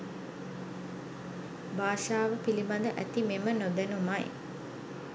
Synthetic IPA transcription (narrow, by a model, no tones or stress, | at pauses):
baːʃaːʋəpilibad̪əʔæt̪imemənod̪ænumaj